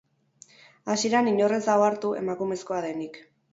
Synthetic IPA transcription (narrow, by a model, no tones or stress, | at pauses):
asiɾaniɲo̞re̞saoaɾt̪ue̞̰makume̞sko̞aðenik